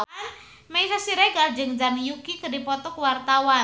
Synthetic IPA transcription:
meisasiɾeɡald͡ʒəŋd͡ʒanjukikədipɔt̪ɔkwart̪awa

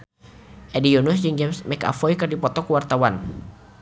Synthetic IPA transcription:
ʔɛdijɔnusd͡ʒɨŋd͡ʒɛmsmɛka̰fɔjkɨrdipɔt̪ɔkuwart̪awan

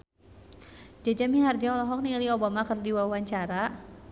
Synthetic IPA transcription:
d͡ʒad͡ʒamiɦard͡ʒaɔlɔɦɔk̚niliobamakərdiwawaɲt͡ʃaɾa

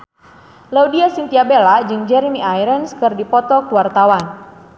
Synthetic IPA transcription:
laudiasint̪iabelad͡ʒɨŋd͡ʒɛɾimiʔajɾənskɨrdipɔt̪ɔkuwart̪awan

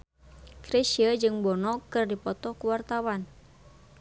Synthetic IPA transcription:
ɡ̥ɾesiəd͡ʒɨŋbɔnɔkɨrdipɔt̪ɔkuwart̪awan

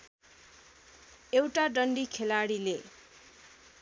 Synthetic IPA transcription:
ewʈaɖʌɳɖikʰelaɽile

